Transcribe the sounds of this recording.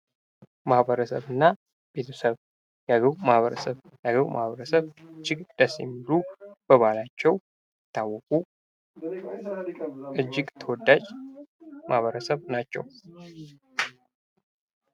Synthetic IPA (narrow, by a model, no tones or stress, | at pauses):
mahbəɾəsəβɨnːa | be̞t̪ʰəsəβ | jaɡəwmahβəɾəsəβ | jaɡəwmʔa̰hβəɾəsəβɨd͡ʒːɪɡd̪̥əsḭmɨlub̥əβalat͡ʃːɛw | ɨt̪ːawːɔkʼu | ʔɨd͡ʒːɪɡt̪ʰəwɔd̪ːat͡ʃ | mahβəɾəsəβnat͡ʃːɛ̰w